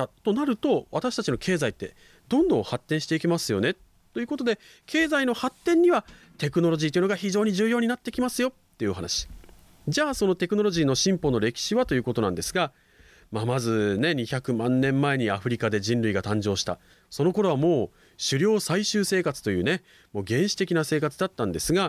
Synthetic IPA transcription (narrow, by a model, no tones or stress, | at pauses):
at̪o̞naɾɯ̟t̪o̞βat̪aɕi̥t̪at͡ɕino̞kʰe̞ːzait̪ːe̞ | d̪̥õ̞nd̪õ̞ɰ̃hat̪ːẽɕi̥t̪e̞ikʲmasɨjo̞ne̞ | t̪ːo̞jɯ̟ːko̞t̪o̞d̪e̞ | kʰe̞ːzaino̞hat̪ːẽ̞ɲ̟ːiβa | t̪e̞kɯ̟no̞ɾo̞ʑiːt̪oiɯ̟noɡaçiʑo̞ːɲ̟iʑɨːjo̞ːɲ̟inat̪ːe̞kʲimasɨjo̞t̪ːe̞jɯoɦa̰na̰ɕi̥ | d͡ʑaːso̞no̞t̪e̞kɯ̟no̞ɾo̞ʑiːno̞ɕĩmpo̞no̞ɾe̞kʲi̥ɕiβat̪o̞jɯ̟ːko̞t̪o̞nã̰nd̪e̞sɨɡa | mamazɨne̞ɲ̟içakɯ̟mãnːẽ̞mːae̞ɲ̟iaɸɯ̟ɾʲikad̪e̞ʑĩnɾɯiɡat̪ãɲ̟d͡ʑo̞ːɕi̥t̪a̰ | so̞no̞ko̞ɾo̞β̞amo̞ː | ɕɨɾʲo̞ːsaiɕɨːse̞ːkat͡sɨ̥t̪o̞jɯ̟ːne̞ | mo̞ːɡẽ̞ɰ̃ɕi̥t̪e̞kʲinase̞ːkat͡sɨd̪at̪ːãnd̪e̞sɨɡa